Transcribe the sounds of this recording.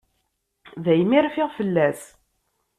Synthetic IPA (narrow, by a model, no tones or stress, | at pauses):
ðæjmiɾfɪʁfəlːæs